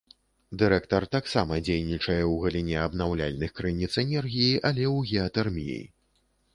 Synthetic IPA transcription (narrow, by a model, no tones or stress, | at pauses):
d̪ɨɾɛkt̪ɐrt̪aksamɐd͡zʲejnʲit͡ʂɐjɛwɣɐlʲinʲɛɐbnawlʲa̰lʲnɨxkɾɨnʲit̪sɛnʲɛrɣʲijiʔɐlʲɛwɣʲɛɐt̪ɛrmʲijḭ